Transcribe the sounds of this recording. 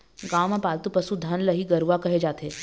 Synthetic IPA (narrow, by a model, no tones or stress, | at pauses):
ɡaːwmãpaːlt̪upɐsud̪ʱɐnlɐɦiɡɐɾuʋakɐɦed͡ʒaːt̪eː